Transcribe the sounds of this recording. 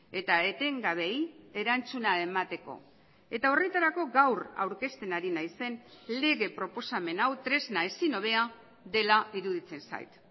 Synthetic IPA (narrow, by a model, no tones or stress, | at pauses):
e̞t̪ae̞t̪e̞ŋɡaβe̞je̞ɾant͡sunae̞mat̪e̞ko̞̰ | e̞t̪ao̞re̞t̪aɾako̞ɡawra̰wɾke̞st̪e̞naɾinajse̞nle̞ɣe̞pɾo̞po̞same̞nawt̪ɾe̞znae̞sino̞β̞e̞a | d̪e̞laiɾuðit͡se̞nsa̰jt̪